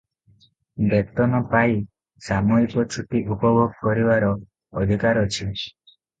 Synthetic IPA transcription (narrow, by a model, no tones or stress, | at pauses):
bekt̪ɔnɔpai | samɔikɔt͡ʃʰuʈiʔupɔbʱɔɡ̚kɔɾibaɾɔː | d̪ʱikaɾɔt͡ʃʰi